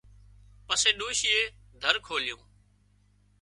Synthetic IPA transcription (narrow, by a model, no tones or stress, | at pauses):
pəsẽːɗoːʃɪːeː | d̪ʱəɾkʰoːlɪjõ̰ː